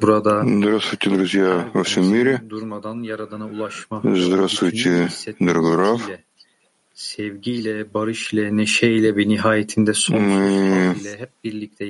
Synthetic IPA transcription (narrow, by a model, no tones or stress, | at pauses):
buɾad̪ad̪uɾasut̪ʰiɡ̪ɾuzjaosumːiɾid̪uɾmad̪anjaɾad̪anaulˠaʃmazd̪uɾasut̪ʰiɛd̪uɾɡɾaflɛ | sɛvɟijlʲɛbaɾɯʃilʲɛneʃɛilʲɛbiniɦaːjet̪ʰind̪ɛso | ilʲɛɦɛp̚biɾlʲic̚t̪ʰɛ